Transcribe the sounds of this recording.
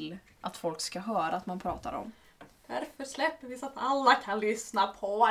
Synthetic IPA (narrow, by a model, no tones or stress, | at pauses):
lː | ʔat̪fɔlkskaɦœːɾaːt̪manpʰɾɑːt̪a̰ɾɔ̰m | d̪̥æɾfœʂlɛpːəvɪsat̪alːakʰanlʏsnapʰɔ